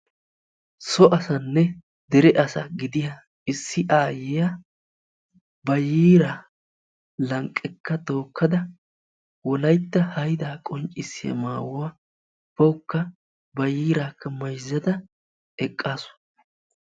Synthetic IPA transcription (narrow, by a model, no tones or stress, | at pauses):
sɔʔɐsɐnːɛ | d̪ɛɾɛʔɐsɐɡɪd̪ɪja | ɪsːɪʔaːjɪja | bɐjiːɾa | lɐŋkʼːɛkːɐd̪o̞ːkʰːɐd̪ɐ | wɔlɐjt̪ːɐhɐjd̪aːkʼɔŋt͡ʃʼɪsːɪjɐ̰maːwʊwaː | b̥ɐwʊkːɐ | bɐjiːɾaːkːɐmɐjzːɐd̪ɐ | ɛkʼːaːsʊ̥